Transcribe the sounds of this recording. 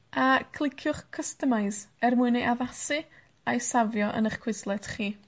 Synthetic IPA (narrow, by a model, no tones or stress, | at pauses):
akʰlˠɪkʰjʊχkʰːəstəmaɨsɛrmuɨnejʔaðasɨ | ajsavjɔʔə̰nəχkʰwɪslˠɛd̥χiː